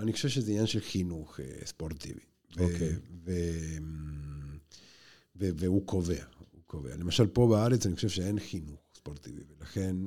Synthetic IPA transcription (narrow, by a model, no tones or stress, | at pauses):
aniχoʃeʃezeinɲjanʃelxinuχḛspoʁt̪ḭvḭ | veokevem | veveukʰoveaukovḛa̰lemaʃalpo̞beaʁet͡sanixoʃevʃeenxinuχspoʁt̪ḭvḭvelaxe̞n